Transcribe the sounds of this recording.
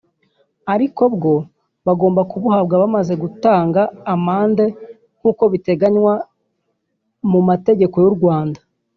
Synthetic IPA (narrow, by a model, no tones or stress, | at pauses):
aɾiko̞bɡo̞ | βaɡo̞ːmbakuβuhab̚ɡaβamaze̞ɡutaːŋɡaːmaːnde̞ | ŋ̥uːko̞βite̞ɡaɲwa | mumate̞ɟe̞ko̞juɾɡwaːndḁ